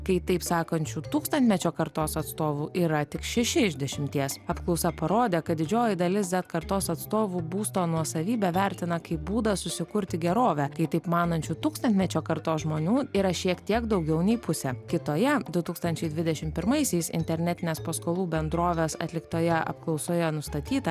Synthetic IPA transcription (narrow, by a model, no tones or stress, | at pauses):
kɐɪt̪ɐɪpsɑːkɐnʲt͡ʃʲuːt̪uːkst̪ɐnt̪ʲmʲɛt͡ʃʲoːkɐɾt̪oːsɐt̪st̪oːʋuːʔiːɾɐt̪ʲɪkʃʲɛʃʲɪɪʒʲd̪ʲɛʃʲɪmʲt̪ʲiɛsɐpklˠɒʊsɐpɐɾoːd̪ʲeːkɐt̪̚d̪ʲɪd͡ʒʲoːjɪd̪ɐlʲɪsd̪ʲɛt̪kɐɾt̪oːsɐt̪st̪oːʋuːbuːst̪oːnuɔsɐʋʲiːbʲɛʋʲæɾʲt̪ʲɪnɐkɐɪbuːd̪ɐsʊsʲɪkʊɾʲt̪ʲɪɡʲɛɾoːʋʲɛkɐɪt̪ɐɪpmɑːnɐnʲt͡ʃʲuːt̪uːkst̪ɐnt̪ʲmʲɛt͡ʃʲoːkɐɾt̪oːsʒmoːnʲuːiːɾɐʃʲiɛkt̪ʲiɛɡd̪ɒʊɡʲɛʊnʲɛɪpʊsʲɛkʲɪt̪oːjɛd̪ʊt̪uːkst̪ɐnʲt͡ʃʲɛɪd̪ʲʋʲɪd̪ʲɛʃʲɪmpʲɪɾmɐɪsʲɛɪsɪ̰nʲt̪ʲɛɾʲnʲɛt̪ʲɪnʲeːspɐskoːlˠuːbʲɛnd̪ɾoːʋʲeːsɐ̰t̪ʲlʲɪkt̪oːjɛɐ̰pklˠɒʊsoːjɛnʊst̪ɐt̪ʲiːt̪ɐ